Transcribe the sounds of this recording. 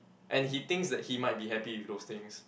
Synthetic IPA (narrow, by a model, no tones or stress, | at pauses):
ʔɛ̃nɦit̪ɪ̃ŋksdɛt̚himaɪt̚biɦɛpiwɪfd̪ost̪ɪ̃ŋs